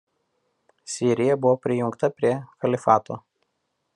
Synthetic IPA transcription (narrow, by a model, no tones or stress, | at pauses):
sʲiːɾʲɪjɛbʊʋoːpʲɾʲɪjʊŋkt̪ɐpʲɾʲiɛkɐlʲɪfɑːt̪o̰ː